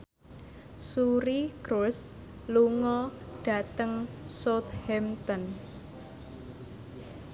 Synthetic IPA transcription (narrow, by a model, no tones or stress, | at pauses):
suɾikɾus | luŋɔɖ̥ä̤t̪əŋsot̪hɛmt̪ɔn